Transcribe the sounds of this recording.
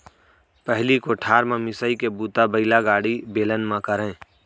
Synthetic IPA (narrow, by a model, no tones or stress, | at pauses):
pɛɦlikoʈʰaːɾmãmɪsəikebuːt̪abəɪlaɡaːɽibeːlənmãkəɾẽː